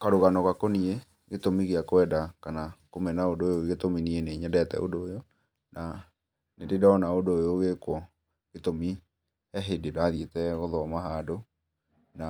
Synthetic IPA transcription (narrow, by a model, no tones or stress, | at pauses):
kaɾoɣanɔɣakonie | ɣetomiɣeakowɛdakanakomɛnaodoːjoeɣetominieneɲɛdɛtɛ̰o̰doːjɔ | na | nededaɔnaodoːjoɣekwɔ | ɣetomi | ɛɦededaðietɛɣɔðɔamaɦado | na